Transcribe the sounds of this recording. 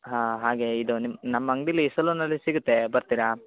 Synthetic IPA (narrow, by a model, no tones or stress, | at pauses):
ɦaːɦaːɡe̞id̪unimnɐmːɐŋɡɖiliːsɐlunɐlːisiɡut̪ːe̞bɐɾt̪iɾɐ